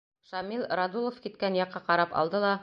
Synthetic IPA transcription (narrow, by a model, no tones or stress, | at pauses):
ʃɑmilˠrad̪ulˠofkit̪kænjɑqːɑqɑɾɑpɑ̰lˠd̪ɤlˠɑ